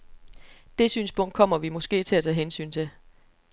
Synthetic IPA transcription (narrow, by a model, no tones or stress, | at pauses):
d̥e̝syːnsb̥ʰɔ̽ŋ̰d̥kʰɒ̽m̰ɐʋimɒ̽sɡ̥e̝̰ːt͡sʰe̝læt͡sʰɛ̰ːɦensy̰ːnt͡sʰe̝l